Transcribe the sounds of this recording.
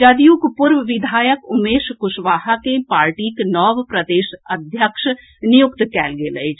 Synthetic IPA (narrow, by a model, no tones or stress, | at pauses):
d͡ʒɐd̪ijukpʊɾʋʋɪd̪ʱaːjəkʊmeːʃkʊʃʋaːɦakepaːɾʈiknɔːʋpɾəd̪eːʃɐd̪ʱjəkʃ | nɪjʊk̚t̪kɛːlɡeləe